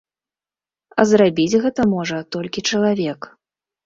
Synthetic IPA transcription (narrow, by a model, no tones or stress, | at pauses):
ɐzrabʲid͡zʲɣɛt̪ɐmɔʐɐt̪ɔlʲkʲit͡ʂɐlˠavʲɛk